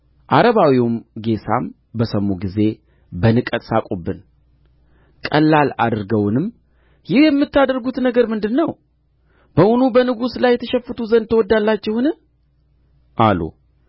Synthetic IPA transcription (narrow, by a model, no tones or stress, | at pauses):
ʔaɾəβawiumɡe̞sʰa̰m | bəsəmːuɡize̞ | bənɨkʼət̪ʼsakʼubːɨn | kʼəlːala̰d̪ɨɾɡəwnɨm | jɪhjɛmːɨt̪ʰːad̪əɾɡut̪nəɡəɾmɨnd̪ɨnːəw | b̥əʔʊnubənɨɡuslajːɛt̪ʰəʃɛfːɨt̪ʰuzənd̪t̪ʰːəwɔd̪ːalːat͡ʃːɛhɨnɨ | ʔalṵ